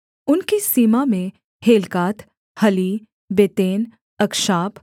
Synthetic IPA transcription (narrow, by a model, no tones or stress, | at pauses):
ʊnkisiːmamẽ | heːlkaːt̪ | hɐli | bet̪eːn | ɐkʃaːp